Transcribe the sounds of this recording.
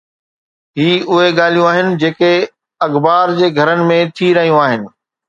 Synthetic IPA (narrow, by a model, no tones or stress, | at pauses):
ɦiːʊɦeɠaːl̤ijũaːɦɪnɪ̆d͡ʑeːke | ɐɣbaːɾd͡ʑeːɡʱɐɾənɪ̆mẽt̪ʰiɾɐɦijũaːɦɪnɪ̆